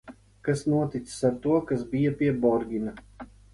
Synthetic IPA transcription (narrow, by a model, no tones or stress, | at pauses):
kasnuɔt̪it̪sɨ̥saɾt̪uɔkasbijapʲiɛbɔɾɡʲina